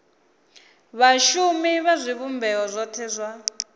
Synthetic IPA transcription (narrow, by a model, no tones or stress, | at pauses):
βaʃumiβazʷiβumbʱɛɔzʷɔtʰɛːzʷwa